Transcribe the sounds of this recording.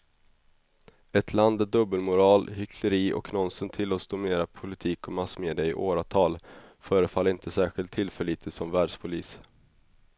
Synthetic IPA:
ɛt̪ʰland̪æd̪ɵbːəlmʊɾɑːlhʏkʰləɾiːʔɔ̰knɔnsənt̪ʰɪlːɔsd̪ʊmɪneːɾapʰʊlɪt̪ʰiːkɔmasːmeːd̪ɪaɪ̰ʔoːɾat̪ʰɑːlfœːɾəfalːɾɪnt̪ʰəsæːɾɧɪlt̪ʰːɪlfœɭiːt̪ʰəsɔmvæːɖʂpʰʊliːs

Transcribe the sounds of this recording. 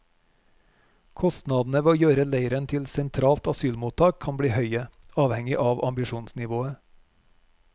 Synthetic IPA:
kʰɔst̪nɑːd̪n̩əʋeːoːjøːɾəleɪɾənt̪ʰɪlsɛnt̪ʰɾɑːlt̪ɑsyːlmuːt̪ʰɑːkʰɑnbɽiːhœʏəɑːʋhɛŋɪʔɑːʋʔɑmbɪʃuːnsnɪʋoːə

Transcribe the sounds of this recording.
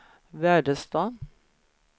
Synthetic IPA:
ʋæːɖəst̪ɑː

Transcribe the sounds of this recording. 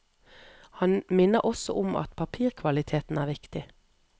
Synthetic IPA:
hɑnmɪnəʁʔɔsɔ̰ʔʊmɑ̰t̪pʰɑpʰiːʁkʰʋɑlɪt̪ʰeːt̪n̩æːʁʋɪkt̪ɪ

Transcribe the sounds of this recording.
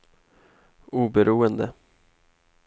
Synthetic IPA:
uːbɛɾʔuːənd̪ə

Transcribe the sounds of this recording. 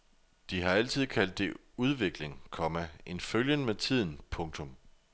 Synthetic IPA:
d̥iɦɑ̈æl̰t͡sʰið̞̰ˠkʰæl̰d̥ːe̝ | uð̞ˠʋe̝ɡ̥le̝ŋkʰɒ̽mæe̝nføljənmet͡sʰið̞̰ˠn̩pʰɔ̽ŋt͡sʰɔ̽m

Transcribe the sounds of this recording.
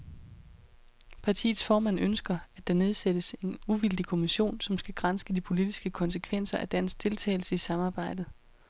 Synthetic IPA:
pʰɑ̈t͡sʰḭːð̩ˠsfɒːmæn̰ønsɡ̥ɐæd̥ɑ̈ne̝ð̞ˠsed̥əse̝nuʋil̰d̥ikʰo̝miɕo̝̰ːnsɒ̽msɡ̥æɡ̥ʁansɡ̥əd̥ipʰo̝lid̥isɡ̥əkʰɒ̽nsəkʰʋen̰sɐʔæd̥æn̰sɡ̥d̥ʰe̝lt͡sʰɛ̰ːɪl̩səisɑ̈mɑ̈ːb̥ɑ̈ɪ̰d̥ð̩ˠ

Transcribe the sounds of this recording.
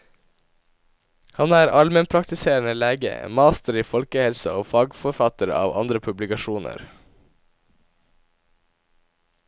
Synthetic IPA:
hɑnæːɾʔɑlmənpʰɾɑkt̪ɪseːɳəleːɡə̰mɑːst̪əɾiːfɔlkəhɛlsə̰oːfɑːɡfɔɾfɑt̪əɾɑ̰ːʋɑ̰nd̪ɾəpʰʉblɪkɑʃuːnə̰ɾ

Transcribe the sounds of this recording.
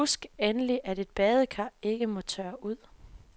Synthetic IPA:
usɡ̥enəliʔæɾe̝d̥̚b̥ɛːð̞ˠəkʰɑ̈e̝ɡ̥əmɒ̽t͡sʰøːɐʔuð̰ˠ

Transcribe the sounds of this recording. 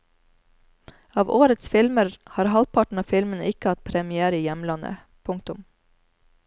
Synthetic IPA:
ɑːʋoːɾət̪sfɪlməɾhɑːɾhɑlpʰɑʈɳ̩ɑːfɪlmənɪkəhɑt̪̚pʰɾɛmɪæːɾəiːjɛmlɑnə̰ | pʰʊŋk̚t̪ʊm

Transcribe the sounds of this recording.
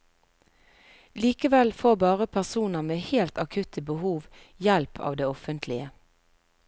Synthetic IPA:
liːkəʋɛlfoːbɑːʁəpʰæʁsuːnəʁmeːheːlt̪ɑkʰʉt̪ʰəbəhuːʋ | jɛlpʰɑ̰ːʋd̪eːɔfənt̪ʰlɪə

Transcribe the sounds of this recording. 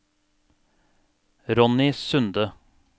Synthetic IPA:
ɾɔnɪsʉnd̪ə

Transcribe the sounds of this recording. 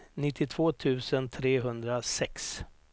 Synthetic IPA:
nɪt̪ʰːɪt̪ʰv̥oːt̪ʰʉ̟ːsənt̪ʰɾeːɦɵnd̪ɾasɛks

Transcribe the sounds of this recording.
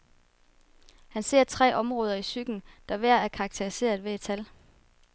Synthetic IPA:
hænse̝̰ɐt͡sʰʁɛ̰ːʔɒ̽mʁɔ̽ːð̞ˠɐisyɡ̥n̩d̥ɑ̈ʋæɐ̰æɐkʰɑ̈ɡ̥̚t͡sʰeʁise̝̰ːɐð̞ˠʋe̝ed̥̚t͡sʰæl

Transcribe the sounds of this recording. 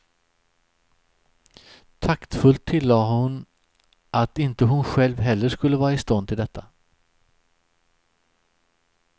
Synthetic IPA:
t̪ʰakt̪fɵlt̪ʰːɪlːɑːhʊn | ʔat̪ɪnt̪əɦʊnɧɛlvɦɛlːəʂkɵlːəvɑːɾaɪst̪ɔnd̪ʰɪld̪ɛt̪ʰːa

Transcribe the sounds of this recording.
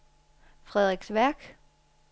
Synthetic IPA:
fʁɛðˠʁeɡ̥sʋæɐ̰ɡ̥

